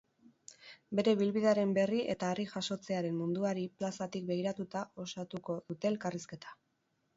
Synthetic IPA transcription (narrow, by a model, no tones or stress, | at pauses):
be̞ɾe̞βilβiðeaɾe̞mbe̞riʔe̞t̪aːriʝaʃo̞t͡se̞aɾe̞mmund̪uaɾiplasat̪ik̚be̞ɣiɾat̪ut̪ao̞sat̪uko̞ðut̪e̞ːlkariske̞t̪ḁ